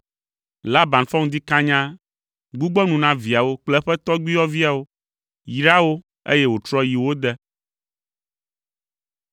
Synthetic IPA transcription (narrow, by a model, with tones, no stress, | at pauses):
la˦bã˨nfɔ˦ŋd̪i˦kã˦ɲã˦ | ɡ͡bu˦ɡ͡bɔ˦nũ˨nã˦vi˨a˨wo˦k͡plɛ˦ɸɛ˦t̪ɔ˦ɡ͡bi˦ɔ˦vi˦a˨wo˦ | ji˨ɖa˦wo˦ | ḛ˦jɛ˦wo˨t͡ʃ̪ɾɔ˦ji˨wo˦d̪ɛ˦